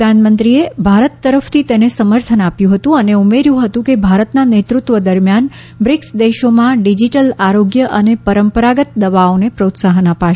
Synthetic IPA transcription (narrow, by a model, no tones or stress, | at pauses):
anmənt̪ɾiebʱaɾət̪ːəɾəft̪ʰit̪enesəməɾt̪ʰənapjũɦət̪ũəneumeɾjũɦət̪ũkebʱaɾət̪nanet̪ɾut̪ʋəd̪əɾmjan | bɾɪksd̪eʃomãɖid͡ʒiʈəlaɾoɡjəʔənepəɾəmpəɾaɡət̪̚d̪əʋaonepɾot̪saɦnapa